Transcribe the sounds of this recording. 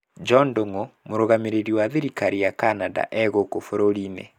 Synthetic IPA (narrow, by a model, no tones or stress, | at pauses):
d͡ʒɔndoŋomoɾoɣameɾeɾiwaðeɾikaɾijakanada̰ʔɛɣokofoɾoɾinḛ